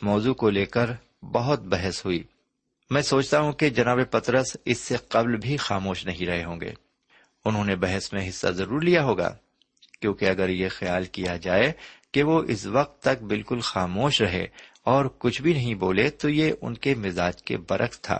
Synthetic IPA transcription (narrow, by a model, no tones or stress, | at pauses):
mɔːzukoleːkəɾ | bɐɦʊt̪̚bɛɦɛsɦʊiː | mɛ̃ːsoːt͡ʃt̪aɦũked͡ʒɐnaːbepɐt̪ɾəsɪsːeqɐblbʱixaːmoːʃnɐɦĩɾɐɦeɦõːŋ̆ɡḛː | ʊnɦõːnebɐɦɛsmẽɦɪsːa̰zɐɾuːɾlijaɦoːɡa̰ː | kjõːkeɐɡəɾjexijaːlkijad͡ʒaːekeʋoʔɪ̰sʋɐq̚t̪ːɐk̚bɪlkʊlxaːmoːʃɾɐɦḛ | ɔːɾkʊt͡ʃʰbʱinɐɦĩboːlet̪ojeʔʊ̰nkemɪzaːd͡ʒkḛbɐɾʔəkt̪ʰa̰ː